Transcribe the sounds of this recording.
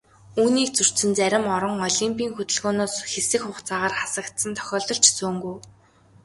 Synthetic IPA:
uːniːk̚t͡sɵr̥sɘ̆nt͡sæɾʲɪ̆mɔɾɞ̆ŋɔɮiːmpiːŋxɵt̪ɘ̆ɮɣoːnoːsxesɘ̆xχʊːχt͡saːʁaːrχḁsə̆kt̪sə̆nt̪ʰœ̥xʲɔːɮt̪ɞ̆ɬt͡ɕʰsoːŋɡuj

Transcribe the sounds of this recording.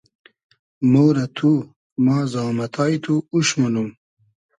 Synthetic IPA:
moːɾɐt̪ʰu | mɑːzɑːmɐt̪ʰɑːjt̪ʰuːɕmɐnum

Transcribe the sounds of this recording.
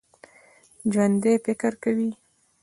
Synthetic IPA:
d͡ʒwand̪efɪkəɾkawi

